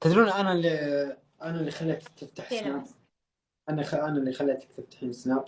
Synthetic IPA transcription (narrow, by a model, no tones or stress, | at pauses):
t̪ad̪ɾuːnʔanali | ʔanalːixalːat̪t̪ːɪft̪aħsnaː | ʔanaʔanalːixalːaʔt̪t̪ɪft̪ḁħiːnsnaːʔ